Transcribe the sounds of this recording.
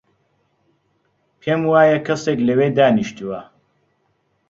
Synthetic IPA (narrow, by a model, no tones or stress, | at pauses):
pʰeːmwaːjɐkʰɐseːklɐweːd̪aːniʃt̪uwɐ